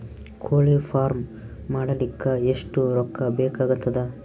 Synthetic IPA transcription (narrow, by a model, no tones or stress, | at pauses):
kʰoːɭipʰaːɾmː | aːɽɐlikːɐeʂʈuɾɔkːɐbɛːkaːɡut̪ːɐd̪ɐ